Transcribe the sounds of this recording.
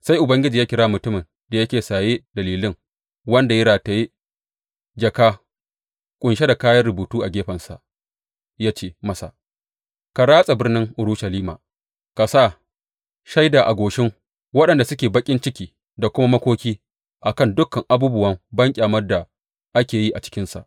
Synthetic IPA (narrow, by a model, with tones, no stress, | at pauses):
sa˦jʔʊ˨bɐ˦ŋɡʲɪ˦d͡ʒiː˨jaː˦kʲɪ˦ɾaː˦mʊ˨tʊ˦mɪ˨n | da˨jɐ˦kʲeː˨saː˨jeː˦dɐ˨liː˨lɪ˦ŋ | wɐ˦nda˨jɪ˦ɽaː˨ta˨ji˦ | d͡ʒɐ˨kaː˦ | kʷʼʊ˨nʃe˦da˨kaː˦jɐ˦rɾʊ˨buː˨tuː˦ʔa˨ɡʲeː˦ɸɐ˨nsa̰˨ʔ | jaː˦t͡ʃeː˦mɐ˦sa̰˨ | ka˨ɾaː˦sʼa˨bɪ˦rnɪ˦ŋʔʊ˨ɾʊ˦ʃɐ˨liː˦ma̰ː˨ | ka˨sa˦˨ | ʃa˦jda˨ʔa˨ɡʷoː˨ʃɪ˦ŋ | wɐ˦ɗɐ˨nda˨sʊ˦kʲeː˨bɐ˦kʲʼɪ˦nt͡ʃɪ˦kʲiː˨ | da˨kʷʊ˦ma˦mɐ˦kʷoː˦kʲiː˦ | ʔa˨kɐ˦˨ndʊ˦kːɐ˨ŋʔa˨buː˦bʊ˦wɐ˦mbɐ˦ŋkʲʼaː˨mɐ˦rda˨ | ʔa˦kʲeː˨ji˦ʔa˨t͡ʃɪ̥˦kʲɪ˦nsa̰˨ʔ